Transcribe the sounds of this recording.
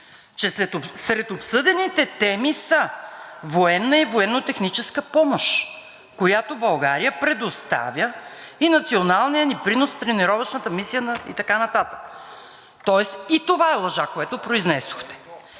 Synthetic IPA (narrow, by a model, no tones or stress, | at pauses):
t͡ʃɛsɛt̪osɾɛt̪opsɤd̪ɛnit̪ɛt̪ɛmisəvoɛnːəivoɛnːot̪ɛxnit͡ʃɛskəpɔmoʃ | kojat̪obɐlˠɡaɾijəpɾɛd̪ost̪a̰vʲjəinɐt̪sionalˠnijənipɾinost̪ɾɛnɛɾɔvəʃnət̪əmisijənəḭt̪ɐkanɐt̪at̪ə̥k | t̪ɔɛsit̪ovaɛlˠɐʒakoɛt̪opɾoiznɛso̥xt̪ɛ̥